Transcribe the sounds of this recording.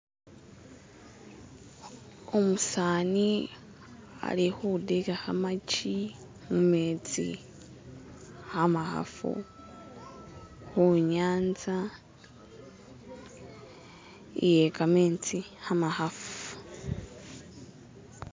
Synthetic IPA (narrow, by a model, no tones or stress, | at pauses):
omusaːni | a̰lihoudekahamat͡ʃi | mumeːt͡sḭ | hamaha̰fṵ | huɲaːnza | ḭjekameːt͡sihamahafu